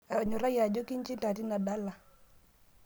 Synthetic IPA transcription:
a˨ɲɔ˨ɾa˦ja˨d͡ʒɔ˦ki˦ɲ˦t͡ʃi˦nta˨ti˦na˨da˦la˨

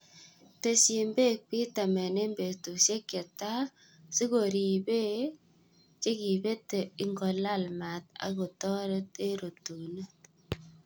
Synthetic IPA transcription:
te˨si˨mbe˦k̚pi˦ta˨me˨ne˦mbe˨tu˨se˦kːe˨ta˦ | si˦ko˨ɾi˨be˦ | t͡ʃe˦ki˨be˦te˨i˦ŋɡo˨la˦lma˨t̪a̰˨ko˨tɔ˦ɾe˦te˦ɾo˨tu˨ne˦

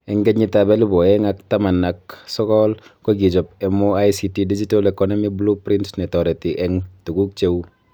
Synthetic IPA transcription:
ɛ˨ŋɡɛ˦ɲi˨tabɛ˦li˦bɔ˨ɛŋak̚ta˦ma˨nːaksɔ˦kɔlko˦ɡi˨d͡ʒɔ˨p̚ɛ˨moajsitidi˦d͡ʒi˦tolɛ˨kɔnɔmiblu˦pɾi˦ntnɛ˨tɔ˨ɾe˨tiʔɛŋtu˨ɡu˦k̚t͡ʃe˦w

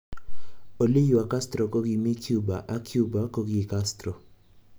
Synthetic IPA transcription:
o˨li˦ju˨a˨ka˦stɾɔ˨ko˦ɡi˨˧mi˦kʰju˦ba̰˨ʔa˦kʰju˦ba˨˦ko˦ɡi˦˨ka˦stɾɔ˨

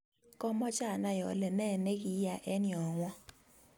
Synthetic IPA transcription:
kɔ˦mɔ˦t͡ʃa˦˨na˦jɔ̰˨lɛ˨nɛ˦˨nɛ˦ki˨˦ja˨ʔɛ˦ni˨ɔ˨ŋwɔ˦

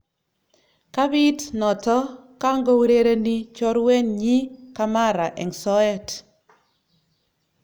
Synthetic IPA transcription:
ka˦bi˦tnɔ˨tɔ˦ka˦ŋɡɔ˦wɾe˦ɾe˦ni˦t͡ʃɔ˦ɾwe˦ɲɲi˦ka˦ma˦ɾa˨ʔɛ̰˨ŋsɔ˦ɛ˦t

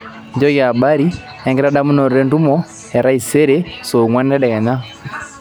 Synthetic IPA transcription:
ɲd͡ʒɔ˦ɣa˨ba˦ɾi˦ | ɛ˨ŋɡɛ˦ɾa˦ɗa˦mu˦nɔ˨ɾɾɛ˦ndu˦mɔ˦ | ɛ˨ɾa˦i˨sɛ˦ɾɛsɔ˨ŋwa˦nɛ˦dɛ˨ɣa˨ɲa˦

